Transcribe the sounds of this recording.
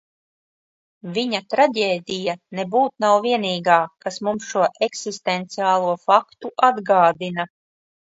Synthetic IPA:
viɲat̪ɾaɟʲeːd̪ijanebuːt̪̚nawviɛniːɡaːkasmumsʃuɔʔeksist̪ent̪siaːlˠuɔfakt̪uʔad̪ɡaːd̪ina

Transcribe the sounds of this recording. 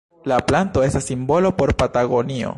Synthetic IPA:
laplanto̞e̞stasːimbo̞lo̞po̞ɾpataɡo̞nio̞̰

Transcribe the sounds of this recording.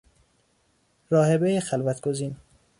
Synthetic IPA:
ɾɒːhebejexælvæt̪ɡ̥oziːn

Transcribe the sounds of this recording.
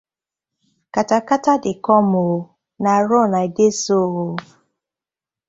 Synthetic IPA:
katakatadɪkɔmo | naɾʊnaidesoɣo

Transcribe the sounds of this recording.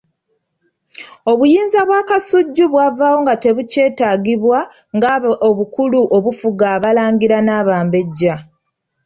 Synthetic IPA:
o̞βujiːnzaβwaːkasuɟːuβwavawo̞ŋɡate̞βuce̞ːtaːɡiβwa | ŋɡaoβukuluʔo̞βufuɡaːβalaːŋɡiɾanaːβaːmbe̞ɟːa

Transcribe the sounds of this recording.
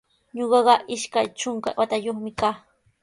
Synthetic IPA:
ɲoɢɑɢɑʔɪʃkajt͡ʃʊŋka̰wat̪ajoχmɪkaː

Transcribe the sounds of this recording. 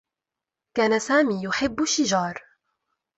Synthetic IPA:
kaːnasaːmiːjʊħɪbːʊʃɪd͡ʒɑːɾˤ

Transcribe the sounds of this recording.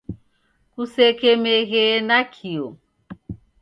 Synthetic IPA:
kusɛkɛmɛɣɛnakʰiɔ

